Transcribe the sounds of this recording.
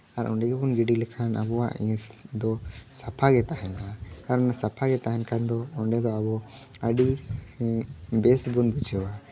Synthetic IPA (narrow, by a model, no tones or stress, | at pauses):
aɾʔɔ̰ɳɖɛɡɛbɔnɡiɖilɛkʰanʔa̰bɔwaʔɛ̃sd̪ɔsapʰaɡɛt̪aɦɛnaaɾɔnasapʰaɡɛt̪aɦɛnkand̪ɔɔɳɖɛd̪ɔabɔ | əɖi | bɛsbɔnbud͡ʒɛwa